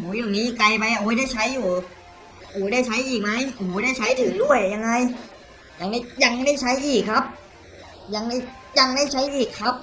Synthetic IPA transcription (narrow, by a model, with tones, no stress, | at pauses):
huː˩˦juː˨˩niː˦˥ka˧jpa˧jʔa˧huː˨˦jda˥˩jt͡ɕʰa˦˥jːuː˨˩ | huː˨˩˦da˥˩jt͡ɕʰa˦˥jʔiː˨˩k̚ma˦˥juː˩˦da˥˩jt͡ɕʰa˦˥jt̪ʰɯː˨˩˦ŋdu˥˩əjːa˧ŋːa˧j | ja˧˩ŋda˥˩ja˧ŋ˦da˥˩jt͡ɕʰa˦˥jʔiː˨˩kʰːa˦˥p̚ | ja˧ŋda˥˩j | ja˧ŋdaː˥˩jt͡ɕʰa˦˥jʔiː˨˩kʰːa˦˥p̚